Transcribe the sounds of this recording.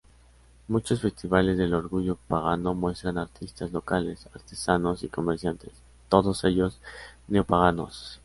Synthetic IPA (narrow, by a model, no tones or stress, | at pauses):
mut͡ʃo̞sfe̞st̪iβale̞zðe̞lo̞ɾɣuʝo̞paɣano̞mwe̞st̪ɾanaɾt̪ʰist̪azlo̞kale̞saɾt̪e̞sano̞siko̞meɾsjant̪e̞̥s | t̪o̞ðo̞se̞ʝo̞sneopaɣ̞ano̞̰s